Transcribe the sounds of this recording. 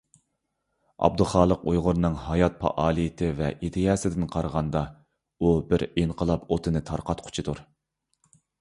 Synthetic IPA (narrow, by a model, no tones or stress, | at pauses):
ɑ̰b̚d̪ɨlˠχɑːlˠəqujʁʊɾnɨŋhɑjɑt̪̚pʰɑ̰ʔɑːlˠit̪ʰɪvɛʔid̪ɪjɑːsɪd̪ɪnqʰɑɾʁɑnd̪ɑ | ubɪɾenqʰəlˠɑpot̪ʰɨnɨt̪ʰɑɾqʰɑt̪qʰʊ̥t͡ʃʰid̪uɾ